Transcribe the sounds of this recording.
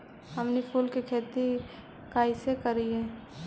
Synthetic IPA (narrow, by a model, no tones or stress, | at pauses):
ɦəmnipʰuːlkekʰeːt̪i | kaːɪsekəɾiɛ̃ː